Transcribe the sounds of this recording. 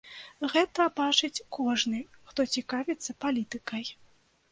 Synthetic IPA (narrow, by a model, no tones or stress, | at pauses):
ɣɛt̪ɐbat͡ʂɨt͡sʲkʰɔʐnɨxt̪ɔt͡sʲikavʲɛt̪sːɐpalʲit̪ɨkɐj